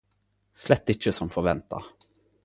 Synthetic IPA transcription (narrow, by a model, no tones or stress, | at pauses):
slɛt̪ːɪt͡ʃːəsɔmfɔɾvɛnt̪ʰa̰